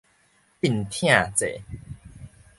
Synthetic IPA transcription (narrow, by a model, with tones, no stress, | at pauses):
pi˨˩˨nt̪ʰj̃ã˥˧t͡sḛ˨˩